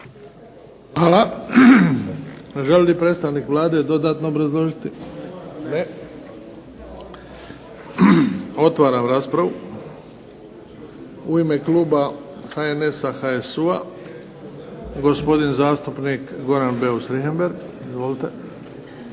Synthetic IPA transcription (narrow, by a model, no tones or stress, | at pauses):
hala | ʒelʲlipɾeːt̪st̪aʋniːkʋlˠaːd̪ed̪o̞d̪aːt̪noobɾazlˠo̞ʒit̪i | ne | o̞t̪ʋaːɾamɾaːspɾaʋu | uimekluːbaxaene̞saxaesua | ɡo̞spo̞d̪inzaːst̪upnikɡo̞ɾanbeusɾiɦembe̞ɾɡ | izʋo̞lit̪e